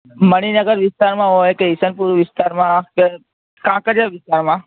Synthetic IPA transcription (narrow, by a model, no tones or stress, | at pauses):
məɽ̃inəɡəɾʋɪst̪aɾmãɦojkeɦɪsənpuɾʋɪst̪aɾmãke | kãkəd͡ʒaʋɪst̪aɾmã